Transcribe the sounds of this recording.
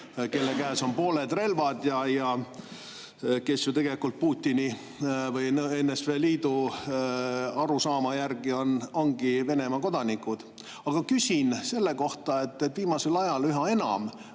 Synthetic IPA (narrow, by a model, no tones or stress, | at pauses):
ke̞lːekæːso̞npo̞ːled̪̥re̞lvɑd̪jɑjɑ | ke̞sjut̪e̞ɡ̥e̞likːˑult̪̚puːt̪ʲːini | vɯjnenːesveːliːd̪̥u | ɑɾusɑːmɑjærɡ̥io̞no̞ŋɡ̥ive̞ne̞mɑko̞d̪̥ɑnikːˑud̪̥ | ɑɡ̥ɑkysʲinse̞lːe̞ko̞ht̪ɑe̞t̪ːet̪ːviːmɑse̞lɑjɑlyɦɑe̞nɑ̰m